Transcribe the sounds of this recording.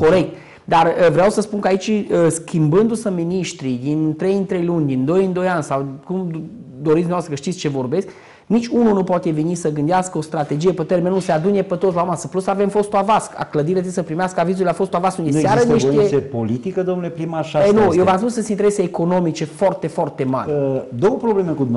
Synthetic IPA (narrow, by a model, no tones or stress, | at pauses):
ko̞ɾe̞k̚t̪ | d̪arəvɾeawsəspunkəait͡ʃəskʲimbɨnd̪usəminiʃt̪ɾid̪int̪ɾe̞jɨnt̪ɾe̞jlunʲd̪ind̪o̞jɨnd̪o̞janʲsawkum | d̪o̞ɾit̪sd̪uavasɾəkəʃt̪it̪sʲt͡ʃe̞vo̞rbesʲk | nit͡ʃʲununupwat̪e̞venisəɡɨnd̪easkəost̪ɾat̪e̞d͡ʒijepet̪eɾmenusead̪unepet̪ot̪slaamasəplusave̞mfo̞st̪uavaska̰kləd̪iɾeat̪isəpɾimeaskəavizulafo̞st̪uavaskuneeaaɾəneoesepolit̪ikəd̪omnulepɾimaʃaenujewvamspunsesint̪eɾeseːko̞no̞mit͡ʃe̞foart̪e̞foart̪e̞ma̰ɾʲd̪owəpɾoblemekud̪umn